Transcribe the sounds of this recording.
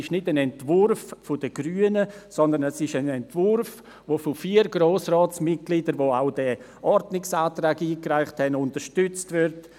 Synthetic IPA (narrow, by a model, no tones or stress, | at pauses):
ɪʃnɪdənɛntvʊɾffʊdəɡ̥ɾyːənəsɔndənɛsɪʃənɛntvʊrf | vofɔfiːɾɡɾoːsrɑːtt͡smɪt̚ɡ̥lidəɾʋoːaʊd̥ɛ | ʔɔɾdnɪksaːtɾaːɡiːkraɪχthɛnʊntəɾʃtʏt͡stvɪɾt